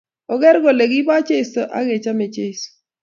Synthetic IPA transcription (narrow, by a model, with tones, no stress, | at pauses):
ɔ˦ɡɛ˦ɾɡo˨le˨ɡi˦ba˦t͡ʃe˦i˨so˨ʔa̰˦ɡe˨t͡ʃa˦me˨t͡ʃe˦i˨so̥˨